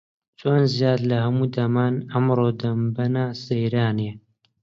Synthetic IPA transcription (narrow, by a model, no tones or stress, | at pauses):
t͡ʃʰoːnzijaːd̪lɐhɐmuːd̪ɐmaːnɐmɾoːd̪ɐmbɐnaːsejɾaːne